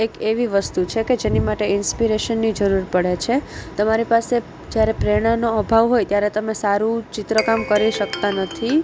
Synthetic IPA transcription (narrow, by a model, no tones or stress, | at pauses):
ekeʋiʋəst̪ut͡ʃʰeked͡ʒenimaʈeɪnspiɾeʃənːid͡ʒəɾuɾpəɽet͡ʃʰet̪əmaɾipase | d͡ʒjaɾepɾeɽ̃anoəbʱaʋɦojt̪jaɾet̪əmesaɾũt͡ʃit̪ɾəkamkəɾiʃək̚t̪anət̪ʰi